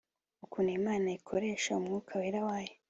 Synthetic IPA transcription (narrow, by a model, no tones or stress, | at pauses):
ukunemaːnaikʰo̞ɾe̞ːʃaumŋuːkʰaweɾawaːje